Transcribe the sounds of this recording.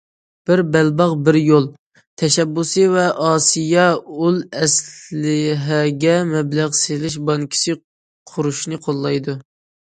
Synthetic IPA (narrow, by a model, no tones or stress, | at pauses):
b̥ɪɾbɛlbɑʁbɪɾjolˠ | t̪ʰɛʃɛbːusɨvɛʔɑːsijɑulˠɛslɪɦɛɡʲɛmɛblæʁselɪʃ̬bɑŋkʲʰi̥sɪ | qʰʊɾuʃnɨqʰolˠːɑjd̪u